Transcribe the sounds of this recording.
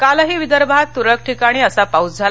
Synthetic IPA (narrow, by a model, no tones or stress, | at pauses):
kalɦiːʋid̪əɾbʱat̪ːuɾək̚ʈʰikaɽ̃iːəsapaut͡sd͡zʱal